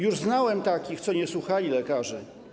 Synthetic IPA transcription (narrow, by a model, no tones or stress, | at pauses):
juʐznawɛmt̪akʲixt̪sɔɲɛswuxalʲilɛkaʐɛ